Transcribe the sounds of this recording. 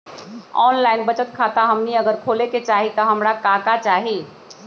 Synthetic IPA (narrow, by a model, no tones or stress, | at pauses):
ɔːnlaɪnbət͡ʃət̪̚kʰat̪aɦəmniəɡəɾkʰoleket͡ʃaɦit̪ɔɦəmɾakakat͡ʃaːɦi